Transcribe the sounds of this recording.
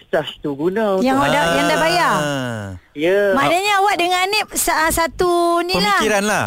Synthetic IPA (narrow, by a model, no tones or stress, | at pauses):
st͡ʃast̪uɡunãjaŋawaʔdajaŋdabaja | jəmanaɲawaʔdəŋanep̚saʔəsat̪unipəlaiɾanlah